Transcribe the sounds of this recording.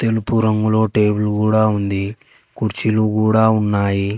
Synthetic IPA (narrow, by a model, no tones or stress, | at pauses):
t̪e̞lupuɾɐŋɡulo̞ːʈe̞ːbulkuːɽaːund̪i | kuɾt͡ʃilukuːɽaːunːaːji